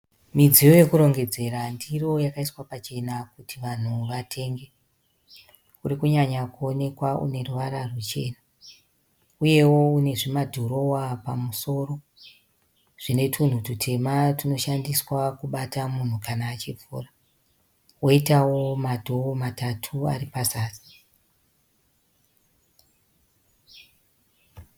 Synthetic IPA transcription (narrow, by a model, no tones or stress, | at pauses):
mid͡zijoje̞kuɾo̞ŋɡe̞d͡ze̞ɾandiro̞jakaiswapat͡ʃe̞nakutʰiʋan̤uʋatʰe̞ːŋɡe̞ | uɾikuɲaɲakuone̞kwaʔṵne̞ruʋaɾarut͡ʃe̞̰ːna | uje̞wo̞une̞ʐimadʱoɾo̞wapamuso̞ːro̞ | ʐ̥ine̞tʰun̤ututʰe̞matino̞ʃandiswakuɓatamun̤ukanaːt͡ʃivʱṵːra | woitawo̞madʱoomatʰatʰua̰ripasaːsi̥